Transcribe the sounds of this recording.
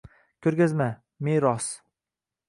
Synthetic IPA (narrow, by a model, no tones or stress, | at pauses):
kʲʰɵɾɡʲazma | meɾɒs